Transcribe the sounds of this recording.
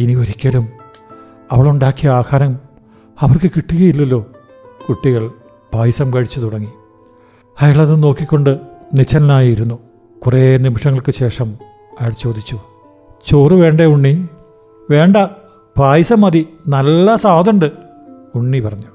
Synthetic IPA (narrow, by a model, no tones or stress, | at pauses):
iniʋɐɾikʲːɐlum | ɐʋɐɭuɳɖaːkːijaːkaːɾɐm | ɐʋɐrkɨkiʈːuɣɐjilːɐlːo̞ː | kuʈːiɣɐɭ | b̥ʱaːjisɐmkɐɻit͡ɕːut̪uɽɐŋːi | ɐjaːɭɐðɨno̞ːkːikʲːo̞ɳɖɨnit͡ɕːɐnɐnaːjiiɾunːu | kurenimɐʂɐŋːɐɭkɨɕe̞ːʂɐm | ɐjaɭt͡ɕo̞ːd̪ʱit͡ɕːu | t͡ɕoːrɨʋe̞ːɳɖeuɳːi | ʋe̞ːɳɖɐ | bʱaːjisɐmɐd̪inɐlːɐsaːɐd̪ɐɳɖɨ | uɳːipɐrɐɲːu